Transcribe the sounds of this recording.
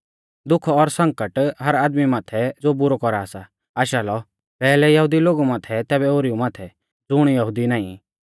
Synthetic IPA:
d̪ʊkʰɔɾsɐ̃ŋkəʈɦɐɾaːd̪mimaːt̪ʰɛd͡zobʊɾɔkɔɾaːsa | aːʃaːlɔ | pɛːlɛjɐɦʊd̪iloːɡumãːt̪ʰɛt̪ɛːbɛoːɾiumaːt̪ʰɛ | d͡zʊɽ̃jɐɦʊd̪inãːḭ̃

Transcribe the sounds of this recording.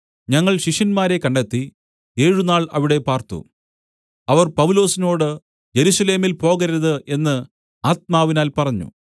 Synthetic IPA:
ɲɐŋːɐɭɕiʂɐnmaːɾe̞kɐɳɖet̪ːi | e̞ːɻunaːɭɐ̰ʋiɽe̞paːrt̪ṵ | ɐʋɐrpɐʋulo̞ːsino̞ːɽɨ | je̞ɾusɐle̞ːmilpo̞ːɣɐɾɐðɨʔe̞nːɨ | aːt̪̚maːʋinaːlpɐrɐɲːṵ

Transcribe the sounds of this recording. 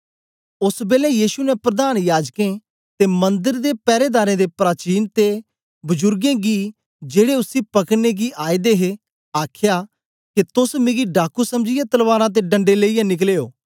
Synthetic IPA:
ʊsbeːlɛ̃jiːsunɛpɾəd̪aːnjaːd͡ʒkẽ | t̪emɐ̃nd̪əɾd̪eːpɛːɾeːd̪aːɾẽd̪eːpɾaːt͡ʃiːnt̪e | bʊd͡ʒʊɾɡẽːɡiː | d͡ʒeːɽeʊsipɐkneɡiʔaːid̪eːɦe | aːkʰjaː | ket̪ʊsmɪ̃ɡiɖaːkusɐmd͡ʒɪjãt̪ɐlʋaːɾãt̪̬eɖə̃ɳɖeleːijãnɪk̬leːoː

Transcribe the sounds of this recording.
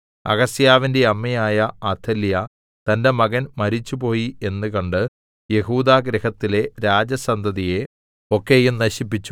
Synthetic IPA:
ɐ̰ɣɐsjaːʋinde̞ɐmːɐjaːjɐat̪ʰːɐljɐ | t̪ɐnde̞mɐɣɐnmɐɾit͡ɕːupo̞ːjie̞nːɨkɐɳɖɨ | je̞ɦuːd̪aːɡɾɐhɐt̪ːile̞ɾaːd͡ʑɐsɐnd̪ʱɐðije̞ | o̞kːejumnɐɕipːit͡ɕːu̥

